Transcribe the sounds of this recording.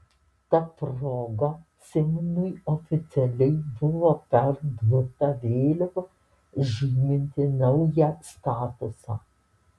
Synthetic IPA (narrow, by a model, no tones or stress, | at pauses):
t̪ɐpɾoːɡɐ | sʲɪmnʊɪofʲɪt̪sʲɛlʲɛɪbʊʋoːpʲɛɾd̪ɾʊt̪ɐʋʲeːlʲoʋɐ | ʒʲiːmʲɪnʲt̪ʲɪnɐʊjɛst̪ɑːt̪ʊsɑ̰ː